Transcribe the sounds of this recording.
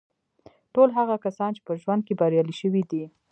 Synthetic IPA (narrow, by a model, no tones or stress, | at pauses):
ʈolɦaɣakasɑnt͡ʃe̥pəʒwand̪̚kebaɾjɑliʃəwid̪i